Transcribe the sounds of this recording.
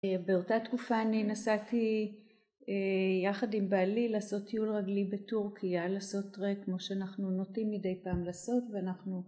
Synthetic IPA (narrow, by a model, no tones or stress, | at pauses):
beo̞tatkufaːninasati | ejaχadimbaːlilaːso̞tːiulʁaɡlibetuʁkʰialaːso̞tʁekmo̞ʃeanaχnuno̞timːide̞jpaːmlaːso̞tveanaχnu